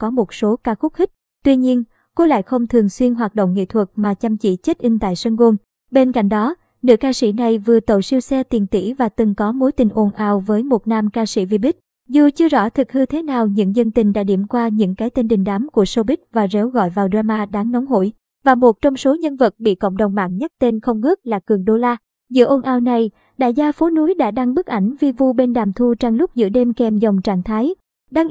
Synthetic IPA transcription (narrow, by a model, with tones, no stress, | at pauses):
kɔ˨˦mo˨˩t̚so˨˦kaː˧xʊ˦˥k̚xi˦˥k̟̚ | t̪wi˧ɲi˧ən | ko˨˦la̰ː˧˨jxə˧wŋ͡mt̪ʰɨ˨˩əŋswi˧ənɦwaː˨˩t̚ɗo̰˧˨wŋ͡mŋḭ˧˨t̪ʰwə˨˩t̚maː˨˩t͡ɕa˧mt͡ɕḭ˧˩t͡ɕə˦˥t̚ʔï˧ŋt̪a̰ː˧˨jsə˧nɣo˧n | ɓe˧nka̰˧˩˨ŋ̟ɗɔ˨˦ | nɨ̰˧˥əkaː˧sḭ˧˩na˨˩jvɨ˨˩ət̪ə˨˩wsi˧wsɛ˧t̪i˨˩nt̪ḭ˧˥vaː˨˩t̪ɨ˨˩ŋkɔ˨˦mo˨˦jt̪ï˨˩ŋ̟ʔo˧˩nʔaː˨˩wvəː˨˦jmo˨˩t̚naː˧mkaː˧sḭ˧˩vi˧ɓi˦˥k̟̚ | zu˨˩t͡ɕɨ˧əzɔ̰˧˥t̪ʰɨ˨˩k̚hɨ˧t̪ʰe˨˦naː˨˩wɲɨ̰˧˥ŋzə˧ŋt̪ï˨˩ŋ̟ɗa̰ː˧˥ɗḭ˧˩mkwaː˧ɲɨ̰˧˥ŋkaː˨˦jt̪e˧nɗï˨˩ŋ̟ɗaː˨˦mku˧˩əso˧ɓï˦˥k̟̚vaː˨˩ze˨˦wɣɔ̰˧˨jvaː˨˩wɗwaː˧maː˧ɗaː˨˦ŋnə˨˦wŋ͡mɦo̰˧˨j | vaː˨˩mo˨˩t̚t͡ɕɔ˧wŋ͡mso˨˦ɲə˧nvə˨˩t̚ɓḭ˧˨kə̰˧˨wŋ͡mɗə˨˩wŋ͡mma̰ː˧˨ŋɲa˦˥k̚t̪e˧nxə˧wŋ͡mŋɨ˦˥k̚laː˨˩kɨ˨˩əŋɗo˧laː˧ | zɨ̰˧əʔo˧nʔaː˧wna˨˩j | ɗa̰ː˧˨jzaː˧fo˨˦nu˨˦jɗa̰ː˧˥ɗa˧ŋɓɨ˦˥k̚ʔa˧˩jŋ̟vi˧vu˧ɓe˧nɗaː˨˩mt̪ʰu˧t͡ɕa˧ŋlʊ˦˥k͡p̚zɨ̰˧˥əɗe˧mkɛ˧˩mzɔ˨˩wŋ͡mt͡ɕaː˧˩ŋt̪ʰaː˨˦j | ɗaː˧ŋ